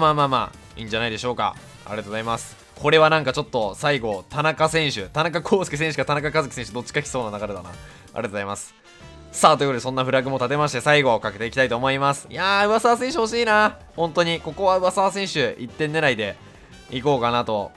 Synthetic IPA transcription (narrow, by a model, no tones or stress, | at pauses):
maːmaːma̰ | ḭ̃ːɲ̟d͡ʑanaid̪e̞ɕo̞ːka̰ | a̰ɾʲet̪ozaimasɨ̥ | kʰo̞ɾe̞βanãŋkat͡ɕo̞t̪ːo̞saiɡo̞t̪anakasẽ̞ɰ̃ɕɨt̪anakakʰoːsɨ̥kʲis̬ẽ̞ɰ̃ɕɨ̟kat̪anakakazɨki̥sẽɕ̬ɯd̪o̞t͡ɕːi̥kaçʲi̥so̞ːnanaɡaɾed̪ana̰ | a̰ɾet̪ozaimasɨ̥ | saːt̪oi̟kot̪oesõnːaɸɯ̟ɾaɡɯ̟mo̞t̪at̪e̞maɕ̬i̥t̪e̞saiɡo̞kake̞t̪e̞ikʲi̥t̪ait̪oːmo̞imasɨ̥jaɯ̟βasaːsẽ̞ɰ̃ɕ̬ɨho̞ɕ̬iːnahõ̞nt̪o̞ɲ̟iko̞ko̞βaɯ̟βasaːsẽ̞ɰ̃ɕɨʔit̪ːẽ̞nːe̞ɾaid̪e̞ | iko̞ːkanat̪o̞